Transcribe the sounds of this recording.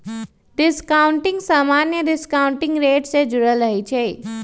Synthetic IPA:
ɖɪskaːʊ̃ɳʈɪ̃ŋɡsaːmaːnjəɖɪskaːʊ̃ɳʈɪ̃ŋɡɾeːʈsed͡ʒʊɽəlɾəɦit͡ʃʰɛː

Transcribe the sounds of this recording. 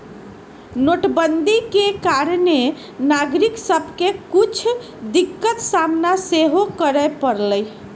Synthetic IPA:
noʈbənd̪ʱikekaɾne | naɡɾiksəbʱkekut͡ʃʰ | d̪ikːət̪samnaseɦokəɾəjpəɾləj

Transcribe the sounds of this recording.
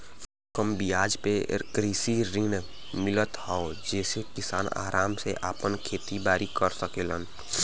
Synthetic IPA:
kəmbijaːd͡ʒpekɾiːsiɾɪ̃ŋn | mɪlət̪ɦaod͡ʒɛːsekɪsaːna̰ːɾʔaːmseʔaːpənkʰeːt̪ibaːɾikəɾsəkeːlən

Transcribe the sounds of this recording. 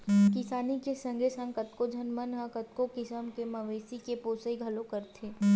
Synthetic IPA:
kɪsaːnikesɐ̃ŋɡʱesə̃ŋkət̪kod͡ʒʱənmənɦə̃kɐt̪̚kokɪsəmkemɐʋeːsikepoːsəiɡʱɐlõkəɾt̪ʰeː

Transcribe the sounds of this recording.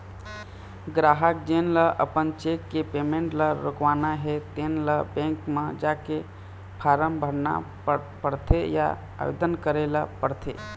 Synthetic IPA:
ɡɾaɦəkd͡ʒenləʔə̰pənt͡ʃekːepemeɳʈləɾokʋanaɦet̪enləbẽŋkmed͡ʒake | pʰaɾəmbʱəɽna̰ | pəɾt̪ʰeja̰ | a̰ʋḛd̪ənkəɾelapəɾt̪ʰḛ

